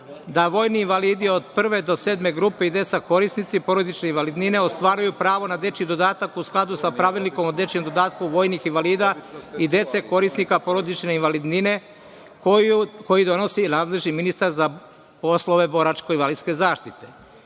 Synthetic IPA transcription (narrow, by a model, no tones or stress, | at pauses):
d̪aʋo̞ːjniːnʋaliːd̪io̞d̪̚pr̩ʋe̞d̪o̞se̞ːd̪me̞ɡɾupe̞id̪e̞t̪sako̞ɾisnit̪sipo̞ɾo̞d̪it͡ʃne̞inʋalid̪nine̞ost̪ʋaːɾajupɾaːʋo̞nad̪e̞t͡ʃid̪o̞d̪aːt̪akusklˠad̪usapɾaʋilniko̞mod̪e̞t͡ʃemd̪o̞d̪aːt̪kuʋo̞ːjnixinʋaliːd̪aid̪e̞t̪se̞ko̞ɾisnikapo̞ɾo̞d̪it͡ʃne̞inʋalid̪nine̞ | kukojid̪o̞no̞sinaːd̪le̞ʒniminist̪aɾza | po̞slˠo̞ʋe̞bo̞ɾat͡ʃko̞inʋalid̪ske̞zaːʃt̪it̪e̞